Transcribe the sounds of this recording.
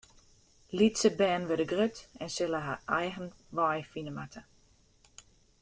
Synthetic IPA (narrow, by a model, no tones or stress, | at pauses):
litsəbɛːnʋødəɡrøtɛnsɪləɦaʔɛjɣən | ʋɔjfinəmatʰə